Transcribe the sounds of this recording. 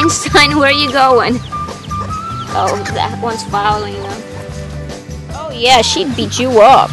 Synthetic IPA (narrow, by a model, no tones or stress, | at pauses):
nstʰãɪ̃nwə˞jɨɡoʊɪ̃ŋ | ʔoʊðɨ̰wʌ̃nsmalˠl̩ˠɪ̃ŋnoʊ | oʊjæʃid̚bit͡ʃɨʌp